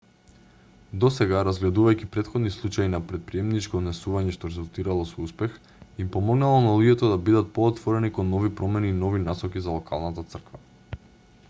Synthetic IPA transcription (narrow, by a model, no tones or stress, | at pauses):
d̪ɔsɛɡaɾazɡlɛd̪uvajcipɾɛt̪xɔd̪nislˠut͡ʃainapɾɛt̪̚pɾiɛmnit͡ʃkɔd̪nɛsuvaɲɛʃt̪ɔɾɛzulˠt̪iɾalˠɔsɔuspɛx | impɔmɔɡnalˠɔnalˠuɟɛt̪ɔd̪abid̪at̪̚poːt̪vɔɾɛnikɔnːɔvipɾɔmɛniːnɔvinasɔkizalˠɔka̰lˠnat̪at̪sr̩kva̰